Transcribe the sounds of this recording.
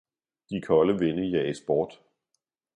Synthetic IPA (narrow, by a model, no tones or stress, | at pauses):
d̥ikʰɒ̽ləʋenəjææsb̥ɒːd̥